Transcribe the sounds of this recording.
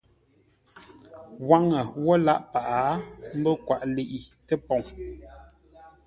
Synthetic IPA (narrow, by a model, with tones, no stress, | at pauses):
wa˦ŋə˨wɔ˦la˦ʔpa˨ʔa˨˦m̩˦bə˦kwa˨ʔle˨ʔi˨tə˦pɔ˨ŋ